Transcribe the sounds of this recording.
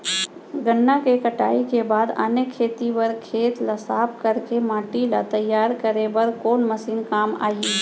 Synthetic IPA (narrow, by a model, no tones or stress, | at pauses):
ɡənːakekəʈa̰ːikebaːd̪ə̰nekʰːeːt̪iʋəɾkʰeːt̪lɐsaːpkəɾkemãːʈilat̪əjːaːɾkəɾebəɾkoːnməsiːnkaːma̰ːjeː